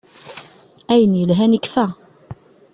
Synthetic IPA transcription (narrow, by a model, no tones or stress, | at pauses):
æjənjəlɦænikːfæ